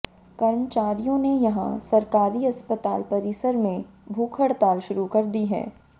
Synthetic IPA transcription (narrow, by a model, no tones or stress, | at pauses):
kɐɾmt͡ʃaːɾijõnejɐɦã̰sɐɾkaːɾiɐspət̪a̰ːlpɐɾɪsəɾmẽ | bʱuːkʰəɽt̪aːlʃʊɾukɐɾd̪iɦɛ̰ː